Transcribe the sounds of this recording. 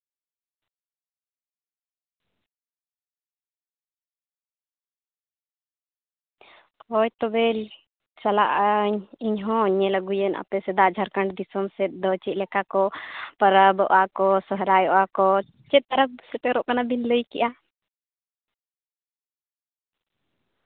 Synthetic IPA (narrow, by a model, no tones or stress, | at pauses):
kɔjt̪ɔbɛl | t͡ʃala̰ʔɲiɲɦɔ̃ɲɛləɡujəna̰pɛsɛd̪aʔd͡ʒʱaɾkaɳɖd̪isɔmsɛt̪̚d̪ɔt͡ʃit̪̚lɛkakɔpəɾabɔʔakɔsəɦɾajɔʔakɔ | t͡ʃɛt̪̚ːaɾap̚sɛt̪ɛɾɔʔkanabinləjkɛʔa